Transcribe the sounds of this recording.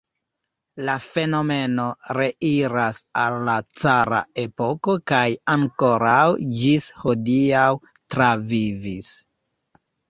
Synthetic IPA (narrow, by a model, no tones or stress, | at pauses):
lafe̞no̞me̞no̞ɾe̞ʔiɾasalːat͡saɾa̰e̞po̞ko̞kajaŋko̞ɾawd͡ʒishodiaw | tɾavivis